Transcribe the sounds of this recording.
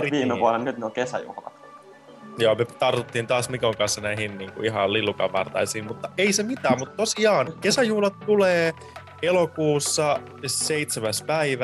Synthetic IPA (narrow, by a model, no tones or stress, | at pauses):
ʋiːmeʋuonennyt̪neoŋkesæ̰jṵhlɑ̰t̪ | joːmyet̪ɑrt̪ot̪ːiːnt̪ɑːsmikoŋkɑnsːɑnæɦinniːŋkuiɦɑlilːukɑ̰ʋɑ̰rt̪ɑ̰isiːmmut̪ːɑeisemit̪æːmmut̪t̪osiɑːnkesæjuhlɑt̪t̪uleː | elokuːsːɑ | seit̪semæspæiʋæ